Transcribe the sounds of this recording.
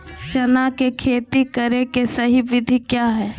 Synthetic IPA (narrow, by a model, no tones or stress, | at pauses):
t͡ʃɐnakekʰeːt̪ikɐɾekesɐɦiʋɪd̪ʱikjaːɦɛː